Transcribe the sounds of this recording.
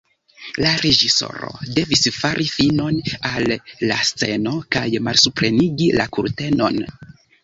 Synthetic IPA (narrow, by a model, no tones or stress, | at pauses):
laɾe̞d͡ʒiso̞̰ɾo̞̰de̞visfaɾʔifino̞nalːast͡se̞no̞kajmalsupɾe̞niɡila̰kuɾte̞no̞̰n